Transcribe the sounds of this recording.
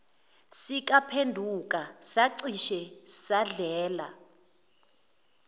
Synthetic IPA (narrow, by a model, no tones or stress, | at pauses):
sik̬ʼapʰendʱuk̬ʼasaǀiʃɛsaɮɛːla̰